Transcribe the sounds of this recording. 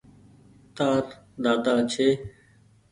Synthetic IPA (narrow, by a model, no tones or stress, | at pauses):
t̪aːɾ | d̪aːd̪aːt͡ʃʰeː